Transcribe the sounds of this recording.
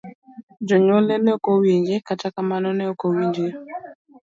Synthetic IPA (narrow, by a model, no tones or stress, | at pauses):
d͡ʒɔɲɔlɛnɛokowiɲɡekatakamanɔnɛokowind͡ʒe